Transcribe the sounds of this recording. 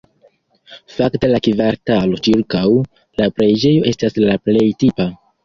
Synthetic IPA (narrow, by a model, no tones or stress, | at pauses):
fakte̞lakivaɾtalo̞t͡ʃiɾkaw | lapɾe̞d͡ʒe̞jo̞ʔe̞staslaple̞jtipa